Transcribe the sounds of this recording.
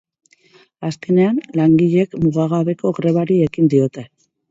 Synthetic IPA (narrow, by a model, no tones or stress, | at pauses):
aske̞ne̞anlaŋɡiʎe̞kmuɣaɣaβe̞ko̞ɣɾe̞β̞aɾie̞kind̪io̞t̪e̞